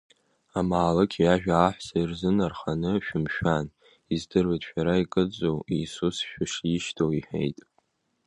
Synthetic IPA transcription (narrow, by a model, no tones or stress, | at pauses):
amaːlɨkʲʰjaʒᶣaːħʷsairzɨnarχanɨʃᶣʊmʃᶣan | izdɨratʼʃᶣaɾaikʼɨd͡zowisusʃᶣʊʂjiʃtʰowiħḛjtʼ